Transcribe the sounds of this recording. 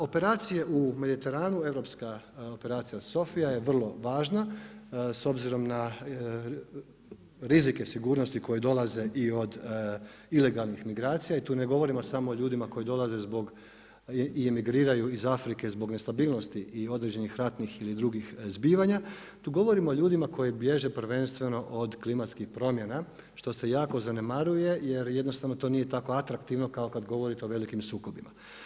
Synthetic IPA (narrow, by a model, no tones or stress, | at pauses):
o̞pe̞ɾaːt̪sije̞ʔume̞d̪it̪e̞ɾaːnue̞ʋɾo̞pskaope̞ɾaːt̪sijaso̞fijaje̞ʋr̩lˠo̞ʋaːʒna | so̞bziɾo̞mna | ɾizike̞siɡuːɾno̞st̪iko̞jid̪o̞lˠaze̞ʔio̞d̪ | ile̞ɡalˠnixmiɡɾaːt̪sijait̪uːne̞ɡo̞ʋo̞ɾimosamoːoʎuːd̪imako̞jid̪o̞lˠaze̞zbo̞ɡ | iemiɡɾiːɾajuizafɾikezbo̞ɡne̞st̪abiːlˠno̞st̪iʔio̞d̪ɾed͡ʑe̞nixɾat̪nixilid̪ɾuɡixzbiːʋaɲa | t̪uːɡo̞ʋo̞ɾimooʎuːd̪imako̞jibje̞ʒe̞pɾʋe̞nst̪ʋe̞no̞ʔod̪klimat̪skixpɾo̞mjena | ʃt̪o̞se̞jaːko̞zane̞maɾuje̞je̞ɾjed̪nost̪aʋnot̪o̞ːnije̞t̪ako̞at̪ɾakt̪iʋno̞kaokad̪ɡo̞ʋo̞ɾit̪eoʋe̞likimsuːkobima̰